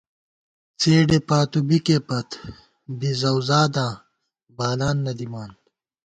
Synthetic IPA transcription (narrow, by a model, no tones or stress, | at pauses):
t͡seːɖepaːt̪ubikepɐt̪ | bizɐwzaːd̪ãː | baːlaːnːɐd̪imaːn